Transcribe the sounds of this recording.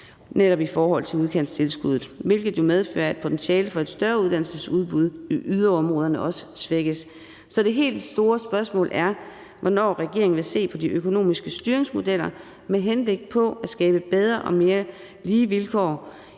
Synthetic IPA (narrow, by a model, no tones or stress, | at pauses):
neɾ̥ɒ̽b̥ifɒːɦɒ̽l̰t͡sʰe̝luð̞ˠkʰen̰̥st͡sʰe̝lsɡ̥uð̞ˠð̩ˠʋe̝lɡ̥ð̞̩ˠjo̝með̞ˠfø̰ːɐæd̥̚pʰo̝t͡sʰenɕɛːləfɒ̽e̝d̥sd̥ɶɐuð̞ˠd̥æn̰l̩səsuð̞ˠb̥uð̞ˠiʔyðˠɐɒ̽mʁɔːðˠɐnəʔɒ̽sə̥sʋeɡ̥əs | sɒ̽d̥e̝ɦe̝̰ːld̥sd̥o̝ːɐsb̥ɶɐsmɔ̰̽ːlʔæɐ | ʋɒnɒ̰ːʁɛɡ̥e̝ɐ̰eŋn̩ʋe̝se̝̰ːpʰɒ̽diʔøkʰo̝no̝̰ːmisɡ̥əsd̥yɐeŋsmo̝del̰ɐ | meɦenb̥le̝ɡ̥̚pʰɒ̽æ̥sɡ̥ɛːb̥əb̥eð̞ˠʁɐʔɒ̽me̝ːɐ | liːʋilkʰɒ̰ː